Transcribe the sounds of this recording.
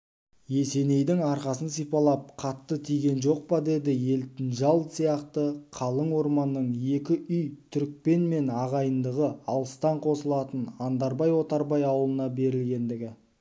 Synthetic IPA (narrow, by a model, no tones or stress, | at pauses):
je̞se̞ne̞jd̪ɪŋɑɾqɑsənsijpɑlˠɑp̚qʰɑt̪ːət̪ʰijɡʲe̞nʒo̞q̚pɑd̪e̞d̪ɪje̞lt̪ɪnʒɑlˠsijɑqt̪əqʰɑlˠəɴwo̞ɾmɑnːəɴe̞kʲɪʔʏjt̪ʰʏɾk̚pe̞nme̞nɑʁɑjənd̪əʁəɑlˠəst̪ɑɴqʰo̞səlˠɑt̪ənɑnd̪ɑɾbɑjwo̞t̪ɑɾbɑjɑwəlˠənɑbe̞ɾɪlɡʲe̞nd̪ɪɡʲɪ